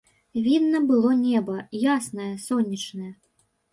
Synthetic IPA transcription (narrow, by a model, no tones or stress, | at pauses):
vʲid̪ːɐbɨlˠɔnʲɛbɐjasnɐjɐsɔnʲːit͡ʂnɐjɛ